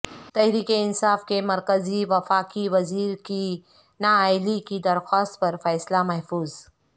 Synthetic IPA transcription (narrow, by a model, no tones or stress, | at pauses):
t̪ɛɦɾiːkeɪnsaːfkemɐɾkəziʋɐfaːkiʋɐziːɾki | naaːɪlikid̪ɐɾxaːst̪̚pɐɾfɛːslamɐɦfuːz